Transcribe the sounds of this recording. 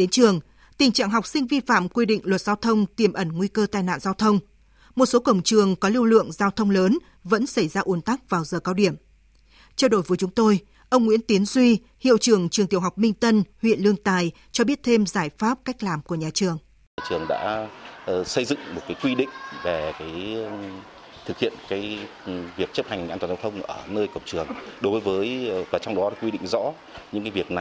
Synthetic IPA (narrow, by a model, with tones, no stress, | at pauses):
ɗe˨˦nt͡ɕɨ˨˩əŋ | t̪ï˨˩ŋ̟t͡ɕa̰ː˧˨ŋɦa˨˩wk͡p̚sï˧ŋ̟vi˧fa̰ː˧˨mkwi˧ɗḭ˧˨ŋ̟lwə˨˩t̚z̥aː˧wt̪ʰə˧wŋ͡mt̪i˨˩mʔə˧˩nŋwi˧kəː˧t̪aː˧˩jna̰ː˧˨nzaː˧wt̪ʰə˧wŋ͡m | mo˨˩t̚so˨˦kə˧˩wŋ͡mt͡ɕɨ˨˩əŋkɔ˨˦li˧wlɨ̰˧˨əŋzaː˧wt̪ʰə˧wŋ͡mləː˨˦n | və̰˧˥nsə˧˩jzaː˧ʔu˨˦ənt̪a˦˥k̚vaː˨˩wzəː˨˩kaː˧wɗi˧˩əm | t͡ɕɛ˧wɗo̰˧˩jvə˨˦jt͡ɕʊ˨˦ŋ͡mt̪o˧j | ʔə˧wŋ͡mŋwḭ˧˥nt̪i˨˦ənzwi˧ | hḭ˧˨wt͡ɕɨ˨˩əŋt͡ɕɨ˨˩ŋt̪i˨˩əwɦa˨˩wk͡p̚mï˧ŋ̟t̪ə˧nhwḭ˧˨ənlɨ˧əŋt̪aː˧˨˩j | t͡ɕɔ˧ɓi˦˥ət̚t̪ʰe˧mzaː˧˩jfaː˦˥p̚ka˦˥jk̚laː˨˩mku˧˩əɲaː˨˩t͡ɕɨ˨˩əŋ˨˩ | t͡ɕɨ˨˩əŋɗa̰ː˧˥ | sə˧jzɨ̰˧˨ŋmo˨˩t̚kaː˨˦jkwi˧ɗḭ̈˧˨ŋ̟ve˨˩kaː˨˦j | t̪ʰɨ˨˩k̚hḭ˧˨ənkaː˨˦j | vi˨˩ək̚t͡ɕə˦˥p̚ha˨˩jŋ˨aː˧ntwːza˧wt̪ʰə˧wŋ͡mʔəː˧˩nəː˧jkə˨˧˩wŋ͡mt͡ɕɨ˨˩əŋɗo˨˦vːjvəː˨˦jvaː˨˩t͡ɕɔ˧wŋ͡mɗɔ˨˦ɗaː˨˦kwi˧ɗḭ˧˨ŋ̟zɔ̰˧˥ | ɲɨ̰˧˥ŋka˨˦vi˨˩ək̚na˨˩